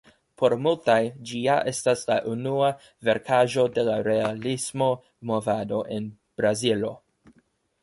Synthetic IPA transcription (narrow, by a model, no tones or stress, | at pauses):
pʰo̞ɾmultajd͡ʒiaʔe̞staslaʔunua | ve̞ɾkʰaʒo̞de̞laɾe̞alismo̞ | movado̞ʔen | b̥ɾazilo̞